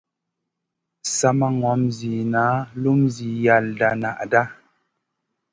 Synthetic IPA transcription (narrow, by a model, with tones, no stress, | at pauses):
sa˨ma˨ŋɔ˨˦mzi˨naː˨˦lu˦mzi˨ja˨lda˨na̰˨ʔda˦